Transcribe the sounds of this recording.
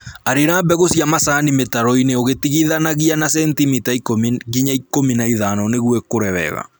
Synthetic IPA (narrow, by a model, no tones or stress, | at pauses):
aɾeɾaːbɛɣosiamasanimetaɾɔineoɣetiɣiðanaɣianasɛntimitaikomɣiɲaikominaiðanɔneɣwɛkoɾɛβɛ̰ɣa̰